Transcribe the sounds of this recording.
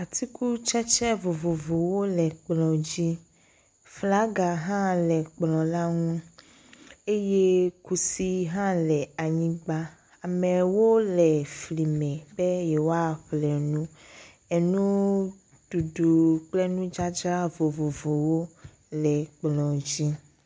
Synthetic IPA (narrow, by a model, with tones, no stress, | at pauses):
a˨t̪i˦ku˦t͡ʃɛ˦t͡ʃɛ˦vo˨vo˨vo˨wo˦lɛ˨k͡plɔ̃˨d͡ʒi˦ | fla˦ɡa˨ɦã˦lɛ˨k͡plɔ̃˨la˦ŋũ˦ | e˦je˦ku˨si˦ɦã˦lɛ˨a˨ɲĩ˦ɡ͡ba˦ | a˨mɛ̃˨wo˦lɛ˨fli˨mɛ̃˨be˦jɛ˨wo˦a˦ɸlɛ˨nũ˦ | ɛ˨nũ˦ | d̥u˨ɖu˨k͡plɛ˦nũ˦d͡ʒa˦d͡ʒa˦vo˨vo˨vo˨wo˦ | lɛ˨k͡plɔ̃˨d͡ʒi˦